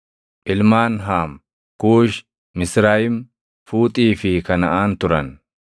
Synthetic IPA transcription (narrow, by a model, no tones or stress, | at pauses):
ʔɪlmaːnɦaːm | kuːʃ | mɪsɾaːjɪm | fuːt̪ʼiːfɪkɐnɐʔaːnt̪ʊɾɐn